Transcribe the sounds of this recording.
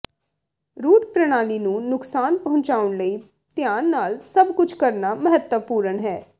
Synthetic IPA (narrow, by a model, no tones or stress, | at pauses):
ɾuːʈpɾəɽ̃aːliːnũːnʊksaːnpəɦʊ̃ɲt͡ʃaːʊɳləiː | t̪jaːnːaːlsəbkʊt͡ʃʰkəɾnaːməɦət̪ːəpuːɾəɳɦɛː